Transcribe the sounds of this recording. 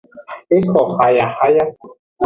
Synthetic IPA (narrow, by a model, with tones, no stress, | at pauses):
e˦kʰɔ˨ha˨ja˨ha˦ja˦